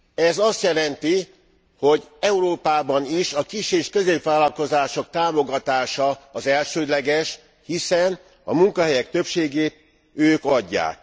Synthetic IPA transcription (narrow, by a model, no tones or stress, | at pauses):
ɛzɒst̪jɛlɛnt̪i | ho̞ɟɛuɾoːpaːbɒniʃɒkiʃeːʃkø̞zeːpvaːlːɒlko̞zaːʃo̞k̚t̪aːmo̞ɡɒt̪aːʃɒːzɛlʃøːd̪lɛɡɛʃ | hisɛn | ɒ̰muŋkɒɦɛjɛk̚t̪øpʃeːɡeːt̪̚ | øːkɒɟːa̰ːk